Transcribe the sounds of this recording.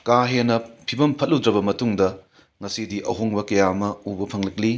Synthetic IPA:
kaɦenːɐpʰibɐmpʰɐt̚ludɾɐbɐmɐtuŋdɐ | ŋɐsidiʔɐɦoŋbɐkɐjamɐubɐpʰɐŋlɐk̚li

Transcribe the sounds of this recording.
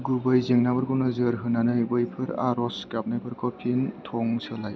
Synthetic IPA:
ɡubɯjzeŋnabɯɾɡʰɯnɯzɯɾɦɯnanɯjbɯjpʰɯɾa̰ɾɔskap̚najbɯɾkʰɔpʰintʰɔŋsɯlaj

